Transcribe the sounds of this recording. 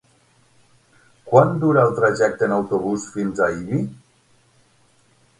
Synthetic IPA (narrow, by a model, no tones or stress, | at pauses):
kwand̪uɾalˠt̪ɾaʒɛk̚t̪ənawt̪uβusfinzaiβi